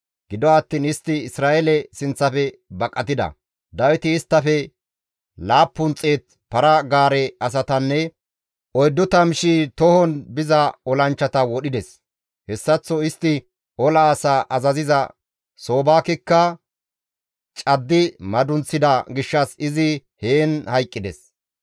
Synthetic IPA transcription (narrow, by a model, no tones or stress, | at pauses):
ɡ̥ɪd̪ɔɐt̪ːiːnɪst̪ːɪɪsɾaːʔɛlɛsɪnt͡sːɐfɛbɐkʼːɐt̪ɪd̪ɐ̰ | d̪ɐwɪt̪ɪːst̪ːɐfɛ | laːpːʊnt͡sʼːeːt̪ | pɐɾɐɡaːɾɛɐs̬ɐt̪ɐnːɛ | ɔjd̪ːɔt̪ɐmɪʃit̪ɔhɔnbɪzɐɔlɐnt͡ʃːɐt̪ɐwɔɗɪd̪ɛs | hɛsːɐt͡sːɔɪst̪ːɪ | ɔlɐasaʔɐzɐzɪzɐ | so̞ːbaːkɪkːɐ | t͡ʃʼɐd̪ːɪmɐd̪ʊnt͡sːɪd̪ɐɡɪʃːɐsɪzɪheːnhɐjkʼːɪd̪ɛs